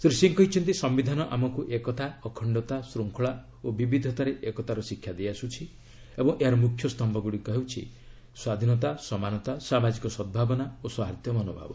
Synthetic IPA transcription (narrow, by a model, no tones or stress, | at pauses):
sɾisiŋkɔɦit͡ʃʰɔnt̪̬isɔmbid̪ʱanɔʔamɔkuʔekɔt̪ʰaɔkʰɔɳɖɔt̪asɾuŋkʰɔɭa | obibid̪ʱɔt̪aɾeʔekɔt̪ʰaɾɔsikʰːjad̪easut͡ʃʰi | ebɔŋʔeɦaɾɔmukʰːjɔst̪ɔmbʱɔɡuɽikɔɦewt͡ʃʰḭ | swad̪ʱinɔt̪asɔmanɔt̪asamad͡ʒikɔsɔd̪̚bʱabɔnaoswaɦat̪jɔmɔnɔbʱa̰bɔ